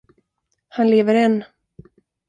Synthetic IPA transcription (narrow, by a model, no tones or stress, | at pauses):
hanleːvəɾɛnː